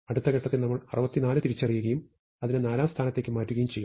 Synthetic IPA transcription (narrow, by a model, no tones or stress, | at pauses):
ɐɽut̪ːɐɣeʈːɐt̪ːenɐmːɐɭɐrɐbɐt̪ːinaːlɨt̪iɾit͡ɕːɐrijuɣɐjum | ɐðinɨnaːlaːmst̪ʰaːnɐt̪ːe̞ːkːɨmaːtːuɣɐjumt͡ɕe̞jːu